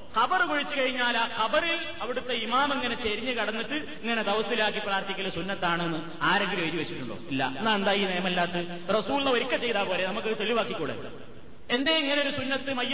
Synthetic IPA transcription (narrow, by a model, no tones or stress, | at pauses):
kɐbɐrɨkoɻit͡ɕːɨkɐɻiɲːaːlaːkɐbɐril | ɐʋiɽut̪ːe̞imaːmeŋːɐne̞t͡ɕeɾiɲːɨkɐɽɐnːiʈːɨ | iŋːɐne̞d̪ɐʋɐsilaːkːipraːrt̪ikʲːɐlːɐsunːɐt̪ːaːɳenːɨ | aːɾeŋɡileːɾiʋet͡ɕːiʈːuɭːo̰ːilːɐ̰enːaːend̪aːjinejɐmɐlːaːt̪ːɨ | rɐsuːllːɐo̞ɾikːɐt͡ɕːe̞jt̪aːpo̞ːlenɐmukːɨt̪eɭiʋaːkːikʲːuːɽḛ | e̞nd̪eːiŋːɐneoɾusunːɐt̪ːɨmɐjɐ